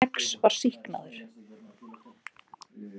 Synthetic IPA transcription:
ɛkspaɾ̥sihkna̰ðʏɾ̥

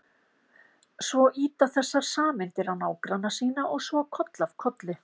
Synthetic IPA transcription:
svɔʔiːt̪aθɛsːaɾ̥saːmɪnt̪ɪɾawnaːwkɾanːasiːnaʔɔɣsvɔkʰɔt̪lavkʰɔt̪lɪ

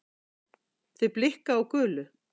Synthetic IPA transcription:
θvʏplɪhkaawkœːlʏ

